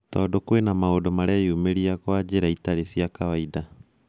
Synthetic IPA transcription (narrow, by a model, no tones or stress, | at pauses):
tɔːdokwenamaodomaɾaiumeɾiakwad͡ʑeɾaitaɾesiakawaida